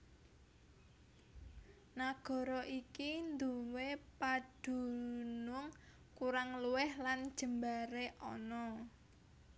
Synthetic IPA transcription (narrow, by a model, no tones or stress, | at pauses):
naɡ̥ɔ̤ɾɔʔikind̪uwepad̪̥ṳnʊŋ | kuɾaŋluwɛhland̥ʒ̥ə̤mbaɾeʔɔ̰nɔ